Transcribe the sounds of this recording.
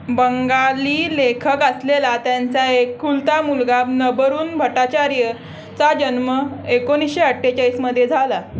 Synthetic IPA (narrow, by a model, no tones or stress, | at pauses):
bəŋɡaliːlekʰəkəslelat̪jant͡saekːult̪amulɡanəbəɾuːnbʱəʈat͡ɕaɾjə | t͡sad͡ʑənməekoñisɕeəʈʰːet͡ɕajsməd̪ʱːjed͡zʱala